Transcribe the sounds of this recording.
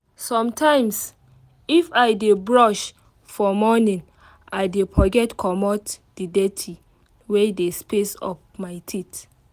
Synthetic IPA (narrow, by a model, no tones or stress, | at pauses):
sɔ̃mtʰãɪ̃ms | ifaɪdebɹɔʃ | fɔmɔnĩn | aɪdepʰɔɡɛtkʰɔmɔtdidɛtʰi | wɛdespesɔ̰pmaɪtʰit